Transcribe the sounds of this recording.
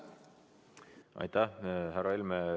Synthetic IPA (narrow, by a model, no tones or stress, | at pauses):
ɑ̰jt̪ːæhɦæɾɑilme